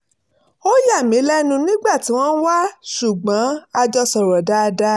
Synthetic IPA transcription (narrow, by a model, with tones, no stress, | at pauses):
o˦ja˦˨mĩ˨˦lɛ˦nũ˧nĩ˦ɡ͡ba˦˨ti˨˦w̃ɔ̃˦n̩˦wa˦ʃu˨ɡ͡bã˨˦a˧d͡ʒɔ˧sɔ˨ɾɔ˨da˦˧da˦